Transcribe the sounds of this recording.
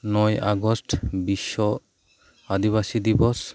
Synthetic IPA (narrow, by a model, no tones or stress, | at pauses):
nɔja̰ɡɔsʈbiʃɔ | ad̪iβasid̪ibɔs